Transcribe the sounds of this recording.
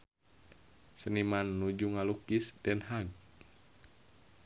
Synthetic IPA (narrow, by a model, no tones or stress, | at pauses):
sənimanːud͡ʒuŋalukisdɛnɦaɡ̚